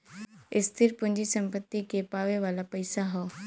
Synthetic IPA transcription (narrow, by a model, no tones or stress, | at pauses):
ɪst̪ʰɪɾpʊ̃ɦɪ̃ɲd͡ʑisɐ̃mpət̪ːikʰepaːʋeʋaːlapɐɪsaɦɔː